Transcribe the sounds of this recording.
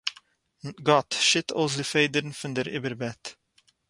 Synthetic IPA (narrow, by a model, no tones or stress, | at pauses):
ɡɑtʃɪt̪ʰɔ̰lˠs̬dəfeɪd̪əɾnfənd̪əɾʔɪbəɾbɛt̪